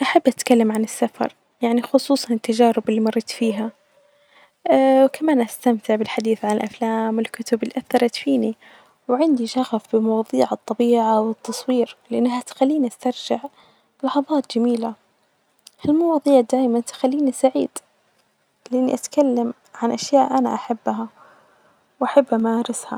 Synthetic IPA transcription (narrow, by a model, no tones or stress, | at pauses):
ʔaħabːʔat̪kalːamʕanɪsːafɑ̰ɾˤ | jaʕnixʊsˤuːsˤɑnɪt̪ːad͡ʒaːɾɪbɪlːiːmɑɾˤːɑt̪fiːɦa | wkamaːnʔast̪amt̪ɪʕbɪlħad̪iːθʕanɪlʔaflaːmwɪlkʊt̪ʊbɪlːiʔaθːɑɾˤɑt̪fiːni | wʕɪnd̪iʃɑɣfbɪmɑwɑːðˤiːʕɨt̪ˤːɑbiːʕawɪt̪ːɑsˤwiːɾlɪʔanːɦat̪xalːiːniʔast̪ɑɾˤd͡ʒɪʕ | lɑħɑðˤɑːt̪̚d͡ʒamiːla | halmɑwɑːðˤiːʕd̪aːjmant̪xalːiːnisaʕiːd̪̥ | lɪʔanːḭʔat̪kalːam | ʕanʔaʃjaːʔʔana̰ʔaħabːɦa | wʔaħabːʔamaɾɪsha̰